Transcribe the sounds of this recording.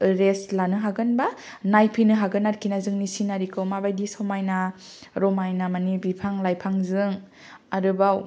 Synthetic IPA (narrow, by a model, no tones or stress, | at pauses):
ɾeslanɯɦaɡɯnbanajpʰinɯɦaɡɯnːaɾkʰinazɯŋnisinaɾikʰɯwmabajdisɔmajna | ɾɔmajnamanibipʰaŋlajpʰaŋzɯŋ | aɾɯbaw